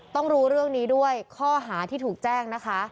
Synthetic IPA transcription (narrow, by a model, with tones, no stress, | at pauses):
t̪ɔ˥˩ŋɾuː˧˦˥ɾɯ˥˩əŋniː˦˥du˥˩əjkʰɔː˥˩ɦaː˩˦t̪ʰiː˥˩t̪ʰuː˨˩k̚t͡ɕɛː˥˩ŋna˦˥kʰa˦˥